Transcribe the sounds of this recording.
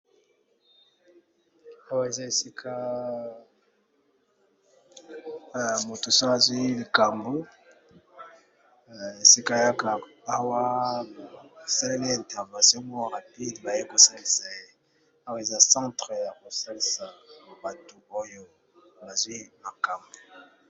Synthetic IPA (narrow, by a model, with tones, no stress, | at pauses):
a˦wa˦e˨za˦e˨si˦kʰa˦˨ | mo˨tu˨sa˦a˨zwi˦li˨ka˨mbo˦ | e˨si˦ka˦ja˦kaː˨˦ | wa˦˨ | sa˦le˦le˦˨ta˨ba˨so˦mɔ˦ʁa˨pi˦dba˨je˦ko˨sa˦li˨sa˨e˦˨ | a˦wa˦e˨za˦sã˦tʁə˨ja˨ko˨sa˦li˨sa˨ba˨tu˨o˦jo˦ | ba˨zwi˦ma˨ka˨mbo˨